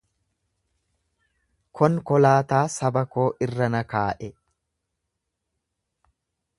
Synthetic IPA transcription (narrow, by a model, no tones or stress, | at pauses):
kʰɔŋkɔlaːt̪aːsɐbɐko̞ːʔɪrːɐnɐkaːʔɛ